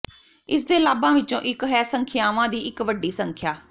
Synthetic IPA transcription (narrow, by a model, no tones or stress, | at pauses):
ɪsd̪eːlaːbãːʋɪt͡ʃõːʔɪkɦɛːsəŋkʰɪjaːʋãːd̪iːɪkʋəɖːiːsəŋkʰjaː